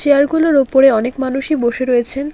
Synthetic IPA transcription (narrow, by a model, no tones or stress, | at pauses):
t͡ɕeaɾɡuloɾopoɾeɔnekmanuʃiboʃeɾojet͡ɕʰen